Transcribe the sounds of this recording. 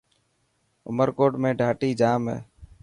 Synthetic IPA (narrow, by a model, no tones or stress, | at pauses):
ʊ̰məɾkoːʈmẽːɖʱaːʈiːd͡ʒaːmɦḛː